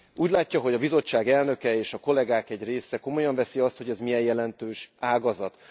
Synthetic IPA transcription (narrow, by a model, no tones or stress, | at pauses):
uːɟlaːcːɒɦo̞ɟɒbizo̞t͡ʃːaːɡɛlnø̞kɛeːʃɒko̞lɛɡaːkɛɟreːsɛko̞mo̞jɒɱvɛsiɒst̪ho̞ɟɛzmijɛjjɛlɛnt̪øːʃaːɡɒzɒt̪